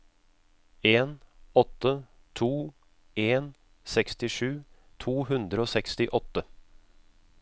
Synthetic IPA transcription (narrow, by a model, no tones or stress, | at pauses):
eːnɔt̪ːə | t̪ʰuː | eːn | sɛkst̪ɪʂʉː | t̪ʰuːɦʉnd̪ɾəoːsɛkst̪ɪʔɔt̪ːə